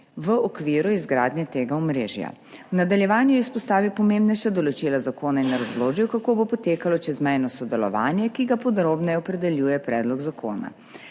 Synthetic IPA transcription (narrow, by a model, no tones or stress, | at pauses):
ʋəɔkʋiːɾuizɡɾaːd̪nʲɛt̪eːɡaɔmɾeːʒja̰wnad̪aljɛʋaːnjuɛispɔst̪aːʋiwpɔmẽmbnɛjʃad̪ɔlɔt͡ʃilazakoːnainɛɾɐzloːʒiwkakoːbopɔt̪eːkalɔt͡ʃɛzmɛjnɔsɔd̪ɛlɔ̰ʋa̰ːnjɛkiɡapɔd̪ɾoːbnɛɔpɾɛd̪ɛljuːjɛpɾɛːd̪lɔɡzakʰo̰ːna̰